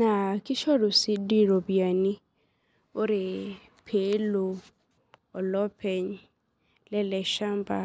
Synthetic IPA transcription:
nã˨kɪ˦ʃɔ˦ɾʊ˨si˦di˦ɾo˨bi˨a˨nĩ˦ | o˦ɾe˨ | pʰe˨˦lo˨ | ɔ˨lɔ˦pʰɛ˨ɲ | lɛ˦lɛ˨ʃa˦m˦ba˨

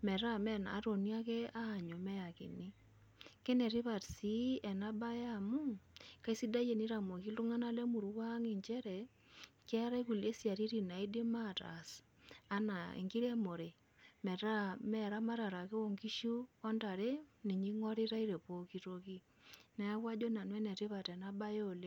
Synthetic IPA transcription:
mɛ˨ɾa˦mɛ˦na̰ː˨˦to˨ni˦a˦kɛ˦a˦˨ɲo˨mɛ˦ja˨kḭ˨ni˦ | ke˦nɛ˨ɾi˦βa˨tsi˦ɛ˨na˦ba˦ja˦mu˦ka˦i˦si˦da˦je˨ni˦ɾa˨mo˨ki˦lu˦ŋa˦na˦lɛ˦mu˨ɾu˦kwa˦ŋi˨ɲt͡ʃɛ˦ɾɛ˨ | kɛ˦ɾa˦i˦ku˨le˦sja˨ɾi˦ɾi˨na˨i˦di˦ma˦˨ta̰˨s | a˦na˨ḭ˨ŋki˦ɾe˦mo˨ɾe˨ | mɛ˨ɾa˦mɛ˦˨ɾa˦ma˦ɾa˨ɾa˨ke˦wo˨ŋki˦ʃu˦ɔ˦nta˨ɾe˦ni˨ɲi˦ŋɔ˦ɾi˦ɾa˦i˦ɾe˨po˨ki˦to˦ki˦ | nɛ˦a˦kwa˦d͡ʒo˦na˨n˦ɛ˦nɛ˨ɾi˦pa˨tɛ˨na˦ba˦jo˨le˦

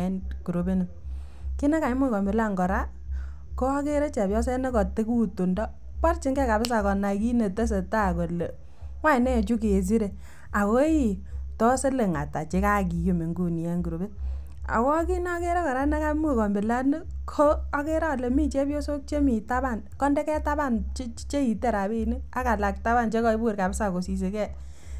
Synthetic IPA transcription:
ɛ˦nku˨ɾo˦be˦ni˨ | ki˦nɛ˦ka˨˦mu˦˨kɔ˨mbɪ˨la˦ŋɡɔ˨ɾa˦ | ko˦a˦ke˦ɾɛ˦t͡ʃɛ˨pjɔ˦sɛ˦ne˦kɔ˨te˦ku˦tu˨ndɔ˦ | pa˦rt͡ʃi˦ŋɡɛ˦ka˨bɪ˦s̬a˨kɔ˨na˨ki˦ne˨te˦s̬e˨ta˦˨ko˨le˨ | wa˦˨nɛ˦˨t͡ʃu˦ke˨s̬i˦ɾe˨ | a˨ko˦i˦tɔ˦se˦le˨ŋa̰˨ta˨t͡ʃe˨ka˦˨k̬i˨ju˦mi˨ŋɡu˨ni˨ɛ˨ŋɡu˨ɾo˨bɪ˦t̚ | a̰˨kɔ˦ki˦na˦ke˦ɾa˦kɔ˨ɾa˦na˦ka˦mu˦˨kɔ˨mbɪ˨la˦nə˦kʰoː˦ke˦ɾa˦˨le˨mi˦t͡ʃe˦pjo˦so˦k̚t͡ʃe˦mi˨ta˦ba˦˨n | kɔ˦ndɛ˦kɛ˦ta˦ba˦˨nt͡ʃt͡ʃe˦i˨te˦˨ɾa˨bi˦nɨ˦a˦ka˨la˨k̚ta˦ba˦˨nt͡ʃe˦kɔ˦i˦bu˦˨ɾka˨bɪ˦sa˨ko˨si˨s̬e˨kɛ˦˨

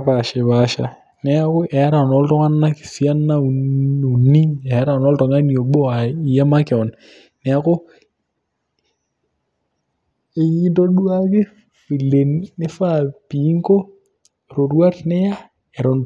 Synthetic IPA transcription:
pa˨ʃɪ˨βa˨ʃa̰˨ | nɛ˦a˦kʊ˦ʔɛ˨˦ɾa˨nɔ˨˦ltɔ˦ŋa˦nːa˦kɪ̥˨si˦a˦nːa˦u˨u˨ni˦ɛ˨˦ɾa˨nɔ˦ltɔ˨ŋa˦ni˦o˨ɓo˦a˨i˨ja˦ma˦kɪ˨ɔ˨n | nɛ˨a˦kʊ˦ | e˦i˦nto˦ɗu˦a˦kɪ˦ | pi˨le˨nːɪ˦fa˦˨pi˨˦ŋko˦˨ | ɾo˨rwa˦tnɪ˦ja˦ | ɛ˨ɾo˨n

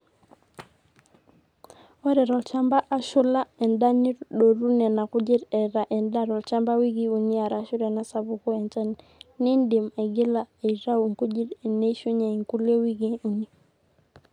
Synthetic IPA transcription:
wɛ˦ɾɛ˨ɾɔ˨lt͡ʃa˦mba˦ʔa˦ʃʊ˦la˦ɛ˨nda˦ni˦ɾɗo˨ɾu˦nɛ˨na˨kʊ˦d͡ʒɪ˦ɾɛ˨ɾa˨ʔɛ˨nda˦ɾɔ˨lt͡ʃa˦mba˦wi˦ɡi˦u˨ni˦a˨ɾa˦ʃʊ˦ɾɛ˨na˦sa˨βʊ˨kɔ˦ɛ˨nt͡ʃa˦n | ni˦ndɪ˨mɛ˨ɡɪ˦la˨ɛ˨ɾa˦wŋku˦d͡ʒi˦ɾɛ˨ne˦ʃu˦ɲa˨i˨ŋku˦le˦wi˦ɡi˦u˨ni˦

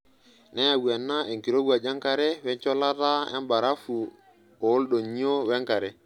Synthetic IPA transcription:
nɛ˦ja˨wu˨ɛ˨nːa˦e˨ŋki˨ɾo˦ɡwa˨d͡ʒa˦ŋka˨ɾɛ˦wɛ˦ɲt͡ʃɔ˦la˦ɾa˦ɛ̰˦mba˨ɾa˦fu˨ | o˨˦lɗo˨ɲi˦o˦wɛ˦ŋka˨ɾɛ˨

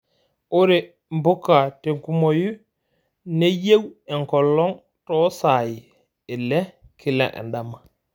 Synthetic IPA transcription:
o˦ɾe˨ | mbu˦kːa˨te˨ŋku˦mo˨ju˦ | ne˦je˦wɛ˨ŋkɔ˨lːɔ˦ŋ | tɔ˦sa˨ji˨ | e˨lɛ˦kʰi˨la̰˨ʔɛ̰˨nɗa˨ma˨

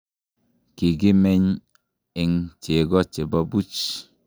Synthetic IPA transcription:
ki˨ɡi˦mɛ˦ɲ | ɪ˨ŋt͡ʃe˨ɡɔ˦t͡ʃe˨ba˦bu˦t͡ʃ

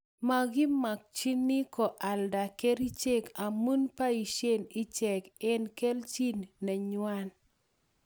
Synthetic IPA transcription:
ma˦˨ɡɪ˦ma˨k̚t͡ʃi˦ni˦kɔ˨ʔa˨lda˨ke˦ɾi˦t͡ʃe˦ka˨mu˦npa˦i˨ʃe˦ni˦t͡ʃɛ˨kɪ˦nke˦lt͡ʃi˦nːɛ˨ɲwa˦n

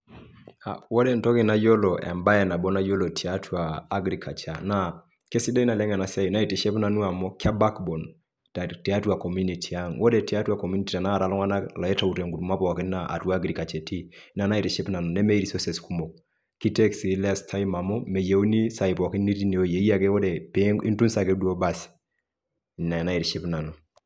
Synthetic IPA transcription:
a̰˨wɔ˦dɛ˦ntɔ˦ki˨na˦jɔ˦lɔ˨ʔɛ̰˨mba˦ɛ˨na˨bɔ˦na˦jɔ˦lɔ˨tʰi˨a˦tʰwaː˨˦ɡɾi˨kʰa˨t͡ʃa˨na˨ | ke˦si˦dɛ˦i˦na˨lɛ˦ŋɛ˨na˨sɛ˦ju˨na˦i˨tɛ˨ʃɛ˦pna˨nu˦a˨mɔ˦kʰa˦ba˦kbɔ˨n | ta˨tɛ˨a˦twa˨kɔ˨mju˦ni˨tʰi˨a˦ŋwʔɔ˦dɛ˨ti˨a˦twa˨kɔ˨mju˦ni˨ti˨a˨na˦a˨ɾa˨lɔ˦ŋa˦na˦la˨ɛ˦ta˨u˨tɛ˨ŋɡu˨tu˨ma˦pɔ˨wa˨ki˦nnaa̰˨twa˦ɡɾi˨ka˨t͡ʃɛ˨tʰi˦na˨na˦i˨tɛ˨ʃi˦pna˨nu˨nɛ˦mɛ˦i˦ɾi˨sɔ˦sɛ˨sku˦mo˨k̚ | ki˦tɛ˦ksi˨˦la˦stʰa˦ji˦ma˨mɔ˦mɛ˨je˨u˦ni˦sa˨i˨pɔ˨ki˦ni˦ti˦ne˨o˦je˨i˦ja˦ke˦wɔ˦dɛ˨pe˦i˦ntu˦nsa˨ke˦du˦o˦ba˦s | na˨na˦i˨tʃi˦pna˨nu˨

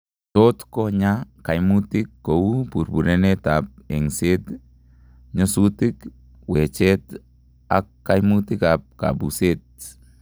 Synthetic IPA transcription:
to˦tkɔɲaka˨jmu˦tɪ˦kːo˨u˦pu˨ɾbu˨ɾe˦ne˦tap̚e˨ŋse˦t | ɲo˦sutɪ˦k | we˨t͡ʃɛ˦t̪ | a̰˨kːajmutɪ˦kap̚ka̰˨bu˨set̚

